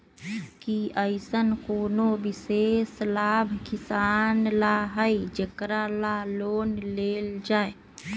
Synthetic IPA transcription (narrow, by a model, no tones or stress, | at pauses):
kiəɪsənkoːnobiseslaːbʱkisanlaɦəid͡ʒekɾalaloːnleːld͡ʒae